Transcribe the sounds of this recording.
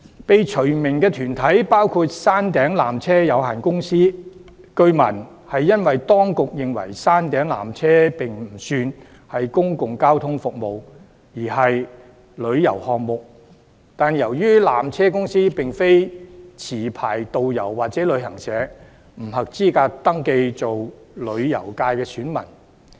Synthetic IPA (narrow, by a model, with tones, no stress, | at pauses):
pe˨jt͡ʃʰɵ˨˩ɥmɪ˨˩ŋkɛː˧t̪ʰyː˨˩nt̪ʰɐ˨˥jpaː˥wkʰuː˧t̚saː˥nt̪ɛː˨˥ŋlaː˨mt͡sʰɛː˥jɐ˨˧wha̰ː˨˩nkʊ˥ŋsiː˥ | kɵ˧ɥmɐ˨˩n | hɐ˨jːɐ˥nwɐ˨jt̪ɔː˥ŋkʊ˨k̚jɪ˨ŋwɐ̰˨˩jsaː˥nt̪ɛː˨˥ŋla̰ː˨˩mt͡sʰɛː˥pɪ˨ŋm̩˨˩syː˧n | hɐ˨jkʊ˥ŋkʊ˨ŋkaː˥wt̪ʰʊ˥ŋfʊ˨k̚mo˨˧w | jiː˨˩ɦɐ˨j | lɵ˨˧ɥjɐ̰˨˩whɔː˨ŋ̚mʊ˨k̚ | t̪aː˨njɐ˨˩wjyː˥laː˨˩mt͡sʰɛː˥kʊ˥ŋsiː˥pɪ˨ŋfe˥jt͡sʰiː˨˩pʰa̰ː˨˩jt̪o˨wjɐ˨˩wːaː˨t̚t͡sɛː˨˥lɵ˨˧ɥhɐ˨˩ŋsɛː˨˥ | m̩˨˩ɦɐ˨k̚t͡siː˥kaː˧t̪ɐ˥ŋke˧jt͡so˨w | lɵ˨˧ɥjɐ̰˨˩wkaː˧jkɛː˧syː˨˥nmɐ̰˨˩n